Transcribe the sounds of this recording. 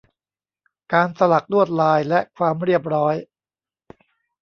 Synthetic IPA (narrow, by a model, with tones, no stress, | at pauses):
kaː˧nsa˧la˨˩k̚lu˥˩ət̪̚laː˧jlɛ˦˥ʔkʰwaː˧mɾi˥˩əp̬̚ɾɔː˦˥j